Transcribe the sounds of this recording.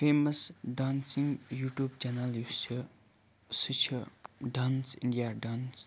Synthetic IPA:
feməsɖãnsiŋjuʈjubt͡ɕanəljut͡ɕʰə | sət͡ɕʰəɖãnsĩɳdiaɖãns

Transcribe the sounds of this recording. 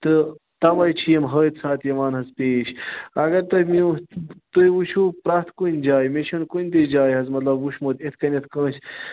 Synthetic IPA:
t̪ɨ | t̪ɐʋɐjt͡ʃʰijɐmɦəːit̪saːt̪jɐʋaːnɦɐzpeːʃɐɡɐɾt̪ɐmit̪əjʋuʃʰupɾaːt̪kunʲd͡ʒaːjmeʃɐnkunʲt̪ed͡ʒaːjɦɐzmɐt̪lɐbuʃmot̪et̪ʰkɐnet̪ʰkə̃ːs

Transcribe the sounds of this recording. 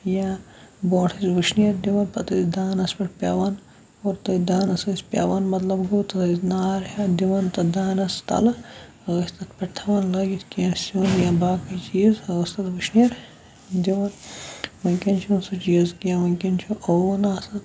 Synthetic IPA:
jaː | boːʈʰisʋiʃnijɐɾd̪iʋɐnpɐt̪isd̪aːnɐspiʈpʲja̰ːʋɐn | oːɾt̪ɐd̪aːnɐsɐspʲa̰ːʋɐnmɐt̪lɐbɡot̪ɐɐznaːɾhad̪iʋɐnt̪ɐd̪aːnɐst̪ɐ̰lɐ | ɐɣɐst̪ɐt̪peʈ̚t̪ʰɐʋɐnlɐɡit̪kiansunjabaːkɐt͡ʃiːzɐɣɐst̪ɐt̪ʋɨʃnijɐɾ | d̪iʋɐnʋɐŋkʲɐnt͡ʃʰunsut͡ʃiɐzkijaʋɐŋkʲint͡ʃʰuʔonaːsɐt̪

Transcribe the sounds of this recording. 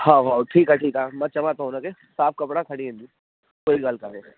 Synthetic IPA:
hawɦaːwʈʰiːkɦaʈʰiːkaːmɐt͡ʃɐmat̪ãɦũnake | saːpkɐpɽakʰɐɽiɦɛ̃nd͡ʒ̪i | koːiɡaːlkaɦe

